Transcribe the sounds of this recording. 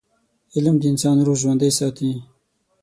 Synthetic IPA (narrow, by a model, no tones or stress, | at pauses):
ɪlmd̪əɪnsɑːnɾoʒwand̪əjsɑːt̪ĩ